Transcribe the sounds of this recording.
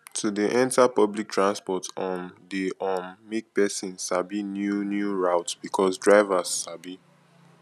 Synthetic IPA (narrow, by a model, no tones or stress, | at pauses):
tʰudiʔɛ̃ntapʌblik̚tʰɹãnspɔtɔ̃ndiʔɔnmik̚pɛsĩnsabinjunjuɹaʊtb̥ikʰɔsdɹaɪvasːabi